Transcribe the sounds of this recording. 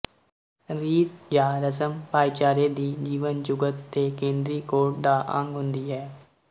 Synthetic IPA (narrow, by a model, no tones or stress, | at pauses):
ɾiːt̪d͡ʒaːɾəsəmpaːit͡ʃaːɾeːd̪iːd͡ʒiːʋənd͡ʒʊɡət̪ːeːkẽːnd̪ɾiːkoːɾʈ̚d̪aːʔə̰̃ŋɡɦʊ̃nd̪iːɦɛː